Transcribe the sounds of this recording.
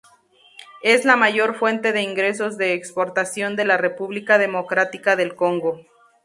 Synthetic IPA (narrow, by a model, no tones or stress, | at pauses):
e̞zlamaʝo̞ɾfwe̞nt̪e̞ðe̞iŋɡɾe̞s̬o̞zðe̞ːkspo̞ɾt̪asjo̞nd̪e̞lare̞puβlikað̞e̞mo̞kɾat̪ikaðe̞lko̞ŋɡo̞